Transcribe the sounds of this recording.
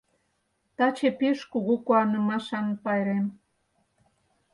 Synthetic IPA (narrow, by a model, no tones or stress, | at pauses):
t̪ɑt͡ɕepeʃkuɣukuɑnə̆mɑʃɑnpɑjɾem